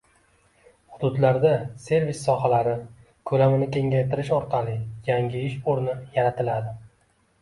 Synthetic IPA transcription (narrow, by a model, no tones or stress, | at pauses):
hʊd̪ʊd̪laɾd̪ase̞ɾvisːɒhalaɾɪ | kʰɵlamɪnɪkʲʰe̞ŋɡʲajt̪ʰɪɾɪʃɒɾqʰɑlɪjaŋʲɪɪʃoɾnɪjaɾat̪ʰɪlad̪ɪ